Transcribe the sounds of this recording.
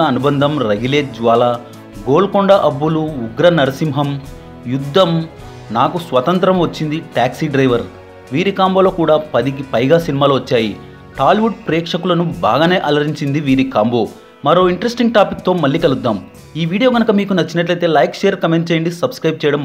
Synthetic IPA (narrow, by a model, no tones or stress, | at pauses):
ɐnubɐnd̪ʱɐmɾɐɡileːd͡ʒʋaːla | ɡoːlkɔɳɖɐʔɐbːuluːɡɾɐnɐɾɐsimɦɐm | jud̪ʱːɐm | naːkusʋɐt̪ɐnt̪ɾɐmʋɐt͡ʃːind̪iʈaːksiɖɾɐjʋɐɾ | ʋiːɾikaːmbo̞ːlo̞ːkuːɽaːpɐd̪ik̬ipɐjɡaːsinimaːluʋɐt͡ʃːaːji | ʈaːlʋuɖpɾɛːkʂɐkulɐnuba̰ːɡɐne̞ːʔɐlɐɾiɲt͡ʃind̪iʋiːɾikaːmbo̞ː | mɐɾoːiɳʈɾesʈiŋɡʈaːpik̚t̪o̞ːmɐɭːiːkɐlud̪ːaːm | iːʋiːɽijo̞ːɡɐnɐkɐmiːkunɐt͡ʃːinɐʈlɐjt̪e̞ːlɐjkʂejɐɾkɐmeɳʈ̚t͡ʃejɐɳɖisɐbskɾɐjb̚t͡ʃɛjɐɽɐm